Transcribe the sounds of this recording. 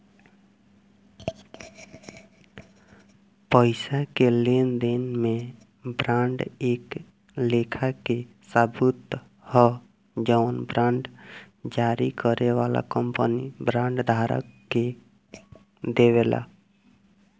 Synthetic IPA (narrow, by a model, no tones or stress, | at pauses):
pəɪsakelend̪inmẽ | bɾãːɳɖeːk | lekʰake | sabut̪ | hɔ | d͡ʒənbɾãːɳɖ | d͡ʒaɾikəɾeʋaːla̰kəmpənibɾãːɳɖd̪ʱaːɾə̰kːe | d̪eweːla̰